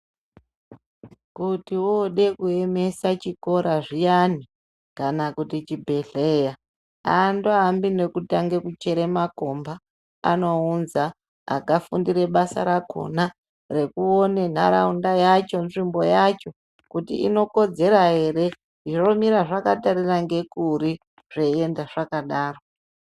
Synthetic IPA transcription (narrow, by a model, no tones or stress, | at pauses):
kutiwoɗe̞kue̞me̞sat͡ʃiko̞ɾaʐijani | kanakutit͡ʃibʱe̞ɮeja | andoambine̞kutaŋɡe̞kut͡ʃe̞ɾe̞mako̞mba | a̰no̞unza̰ː | ɡʱafundiɾe̞ɓasa̰ɾakʰo̞̰na | re̞kuone̞n̤a̰ɾa̰undajat͡ʃo̞nʐimbo̞jat͡ʃo̞ | kutḭḭno̞ko̞d͡ze̞ɾaɦe̞ɾe̞ | ro̞miɾaʐakataɾiraŋɡe̞kuɾi | ʐ̥eendaʐakaɗaːro̞